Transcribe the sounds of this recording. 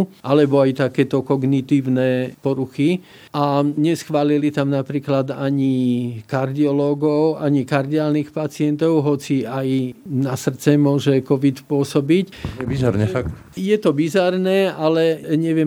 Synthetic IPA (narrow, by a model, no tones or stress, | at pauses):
ʔalɛbɔajt̪akɛːt̪ɔkɔɡnit̪iːʊnɛːpɔɾuxi | ʔaɲɛsxʋaːlilit̪amnapɾiːklad̪aɲikaɾd̪iɔlɔːɡɔʊaɲikaɾd̪iaːlnixpat͡sɪɛnt̪ɔʊɦɔt͡siajnasr̩t͡sɛmʊɔʒɛkɔʋit̪pʊɔsɔbicɛbizaɾnɛfakt̪ | jɛt̪ɔbizaɾnɛːalɛɲɛʋɪɛ